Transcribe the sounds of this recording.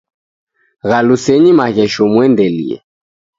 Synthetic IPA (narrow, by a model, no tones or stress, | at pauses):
ɣalusɛɲimaɣɛʃɔmwɛndɛlḭɛ̰